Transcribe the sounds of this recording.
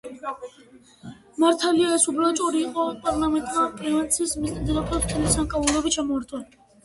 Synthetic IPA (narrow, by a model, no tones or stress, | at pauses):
maɾt̪ʰaliaɛsubɾɔt͡ʃʼɔɾiːqʼɔpʼaɾlamɛnt̪ʼmapʼivɛnt̪sʰismid̪ɛɾapʰɛlmt̪ʰɛlisamkʼavulɛbit͡ʃʰamɔːɾt̪ʰɛl